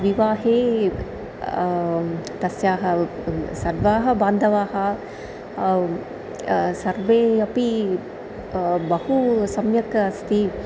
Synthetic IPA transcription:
ʋiʋaːɦeː | t̪ɐsjaːɦɐsɐɾʋaːɦɐbaːnd̪ɐʋaːɦɐ | sɐɾʋeːɐpi | bɐhusɐmjɐkɐɐst̪i

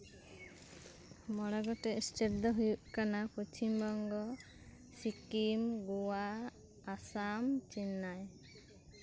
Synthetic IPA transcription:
mɔɽaɡɔʈɛsʈeʈd̪ɔɦujuʔkanapɔt͡ʃimbɔŋɡɔ | sikimɡuwaː | samt͡ʃinːaj

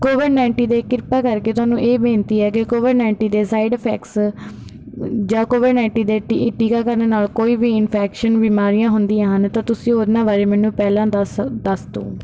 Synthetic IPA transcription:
koːʋɪɖnaɪɳʈiːd̪eːkɪɾpaːkəɾkeːt̪ʊaːnũːʔeːbẽːnt̪iːɛːkɪkoːʋɪɖnaːɪɳʈiːd̪eːsaːɪɖpʰɛ̰ːks | d͡ʒãːkoːʋɪɖnãɪɳʈiːd̪eːʈiʈiːkaːkəɾneːnaːlkoːiːbiːɪnpʰɛːkʃənbiːmaːɾijãːɦʊnd̪ĩːãːɦənt̪ãːt̪ʊsĩːoːd̪nãːʋaːɾeːmɛːnũːpɛːlãːd̪sd̪əst̪o̰ː

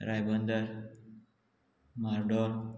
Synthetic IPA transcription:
ɾajbənd̪əɾ | maɾɖoɾ

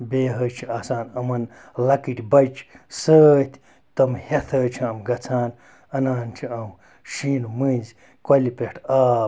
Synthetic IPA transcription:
beːɦət͡ʃʰiaːsaːnɐmɐn | lɐkiʈʲbɐjt͡ʃʰsəːt̪ʰʲ | t̪ɐmhet̪ʰəːt͡ʃʰiɐmɡɐt͡sʰaːn | ɐnaːnt͡ʃʰiɐm | ʃiːnumɨd͡z | kɐlipeʈʰaː

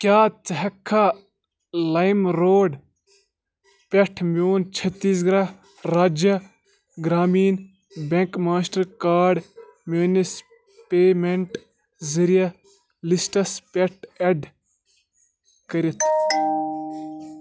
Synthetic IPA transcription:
kjaːt͡sɐɦɐkʰːa | lɐjmɾoːɖ | pʲeʈʰmoːnt͡ʃʰɐt̪ːiːs̬ɡɾɐ | ɾaːd͡ʒjɐ | ɡɾaːmiːn | bʲeŋkmaːsʈɐɾkaːɖmoːnis | peːmeɳʈ | zɐɾijɐ | lisʈɐspʲeʈ̚ʰeɖ | kɐɾit̪ʰ

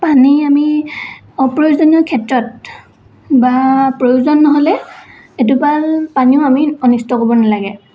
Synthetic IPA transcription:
paniami | ɔpɹojuzɔnɔɹkʰɛtɹɔt̚ | bapɹojuzɔnːɔɦɔlɛ | et̬upalpaniʊamiɔnistɔkobɔnalaɡɛ

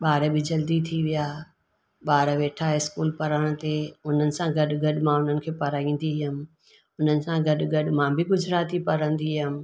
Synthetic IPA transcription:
ɓaːɾbɪd͡ʑɐld̪it̪ʰiʋijaː | ɓaːɾʋeːʈʰaɪskuːlpɐɾəɽ̃t̪eʊn̤ənɪ̆sãɡɐɗɡɐɗ̆mãʊn̤ənɪ̆kʰeːpɐɾaːĩːn̆d̪iɦɪmɪ̆ | ʊn̤ənɪ̆sãɡɐɗɡɐɗ̆mãbɪɡʊd͡ʑɾaːt̪ipɐɾə̃nd̪iɦɪmɪ̆

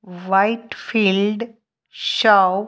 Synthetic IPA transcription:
ʋaiʈfiːlɖ | ɕaw

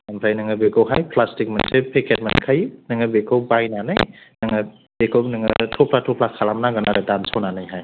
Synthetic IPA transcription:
ampʰɾajnɯŋabekɔwɦajpʰlastik̚ma̰nsepʰekʰet̚ma̰nkʰajnɯŋabekobajnanɯj | nɯŋa | b̥ekʰonɯŋɯtʰɔpʰlatʰɔpʰlakʰalamnaɡanaɾatansʰownanajɦaj

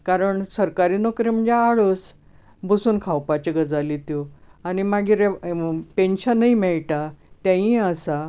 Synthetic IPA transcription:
kaɾəɳsəɾkaɾinɔkɾem̤əɳd͡ʑeaɭəs | bʱəsuːnkʰawpat͡ɕiɡəd͡zalit̪joanimaɡiːɾpenɕənːəimɛɭʈat̪jãjĩəsa

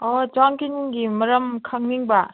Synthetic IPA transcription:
ɔd͡ʒaŋkiniŋɡimɐɾɐmkʰaŋniŋba

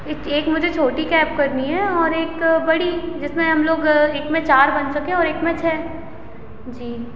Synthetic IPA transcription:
ɪeːkmʊd͡ʒʱet͡ʃʰoːʈikɛːpkɐɾniɦɛɔːɾeːkbɐɽid͡ʒɪsmẽɦɐmloːɡeːkmẽt͡ʃaːɾbɐnsɐkẽɔːɾeːkmẽt͡ʃʰɛː | d͡ʒiː

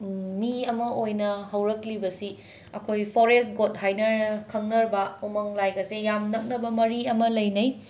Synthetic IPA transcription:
miɐmɐʔojnɐɦɐwɾɐklibɐsi | ɐkʰojpʰoɾestɡot̚ɦajnɐkʰɐŋnɐɾbɐumɐŋlajɡɐsejamnɐk̚nɐbɐmɐɾiɐmɐlɐjnɐj

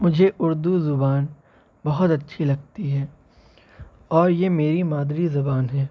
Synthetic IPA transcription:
mʊd͡ʒʱeʔʊɾd̪uzʊbaːn | bɐɦʊt̪ɐtːʃʰilɐɡ̚t̪iɦɛː | ɔːɾjemeːɾimaːd̪ɾizɐbaːnɦɛː

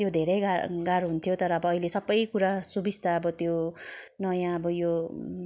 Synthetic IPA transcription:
t̪jod̪ʱeɾʌjɡaɡaɾɦunt̪ʰjot̪ʌɾʌːbʌːilesʌbːʌjkuɾasubist̪aʌbʌt̪jo | nʌjãʌbʌjo

